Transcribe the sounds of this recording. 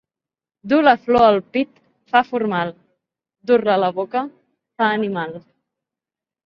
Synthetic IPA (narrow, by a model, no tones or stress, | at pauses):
d̪uləflɔəlˠpit̪ | fafuɾmal | d̪urlələβokə | faənimalˠ